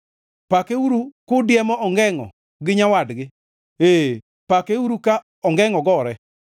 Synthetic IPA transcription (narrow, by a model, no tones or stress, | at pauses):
pakeuɾukʊdɪjɛmɔʔɔŋɡɛŋɔ̰ | ɡɪɲawadɡɪ | eː | pakeuɾuka | ɔŋɡɛŋɔɡɔɾɛ